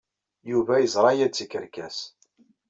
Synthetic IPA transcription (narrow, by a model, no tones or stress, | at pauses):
juvæjəzˤɾˤɑjæt͡sːikːəɾkæs